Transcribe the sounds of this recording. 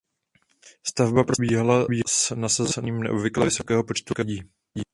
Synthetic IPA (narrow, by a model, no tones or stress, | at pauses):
st̪avbapɾobiːɦalabiːsnasazɛniːmnɛ̰ʔobvɪklɛvɪso̞kɛːɦo̞po̞t͡ʃt̪ukaɟiː